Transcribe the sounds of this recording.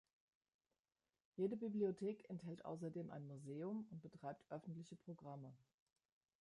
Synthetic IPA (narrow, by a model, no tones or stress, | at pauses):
jeːdəbibliotʰeːkʰɛnthɛltʔa̰ʊs̬ɐdeːmʔa̰ɪnmuzeːʊmʊnt̚b̥ətʁ̥aɪp̚tʔœfn̩tlɪçəpʁ̥oɡʁamə